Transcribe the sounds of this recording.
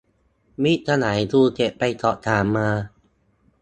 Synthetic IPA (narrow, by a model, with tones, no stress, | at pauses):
mi˦˥t̪ʰa˧naː˩˦jt̪ʰuː˧t͡ɕe˨˩pːa˧jt̪ɔː˨˩ʔt̪ʰaː˨˩˦mːaː˧